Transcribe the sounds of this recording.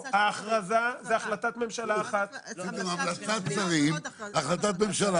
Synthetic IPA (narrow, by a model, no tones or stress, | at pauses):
aːχʁazazeaχlat̪at̪me̞mʃalaːχat̪pit̪omamlat͡sat̪t͡saʁimaχlat̪̬at̪me̞mʃala